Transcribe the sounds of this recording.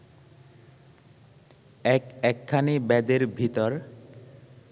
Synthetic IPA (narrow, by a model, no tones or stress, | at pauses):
ɛkɛkʰːanibɛd̪eɾbʱit̪ɔɾ